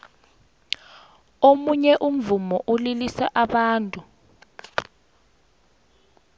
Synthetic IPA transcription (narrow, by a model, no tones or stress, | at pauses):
omuɲɛʔum̩vumɔʔulilisaʔaɓaːntʼu